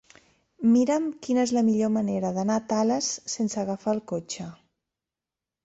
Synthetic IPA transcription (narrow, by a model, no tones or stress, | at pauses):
miɾəmkinəezləmiʎoməneɾəðənat̪aləsːensəɣəfaəlˠkot͡ʃə